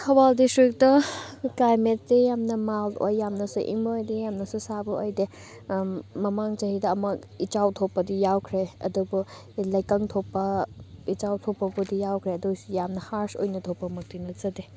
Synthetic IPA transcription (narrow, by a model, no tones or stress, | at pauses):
hʰɐbaldistɾik̚dɐklajmet̚tejamnɐmalo̰jːamnɐsuʔḭŋbɐojdejamnɐsusabɐojde | mɐmaŋt͡ʃɐhidɐɐmɐ | it͡ʃawtʰopːɐdijawkʰɾeɐ̰dubu | lɐjkɐŋtʰopːɐit͡ʃawtʰopːɐbudijawkʰɾeɐdusujamnɐhaɾso̰jnɐtʰopːɐmɐk̚tiŋlɐt͡ʃɐde